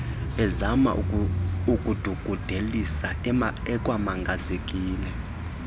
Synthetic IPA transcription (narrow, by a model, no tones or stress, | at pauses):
ɛzama̰ | ukʼud̥ʱuɡ̥ʱud̥ʱelisaɛkʼwamaŋɡʱazekʼiːlɛ